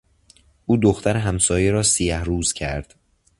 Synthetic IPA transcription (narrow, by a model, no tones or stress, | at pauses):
ʔuːd̪oxt̪ʰæɾeɦæmsɒːjeɾɒːsijæhɾuːz̥cʰæɾd̪̥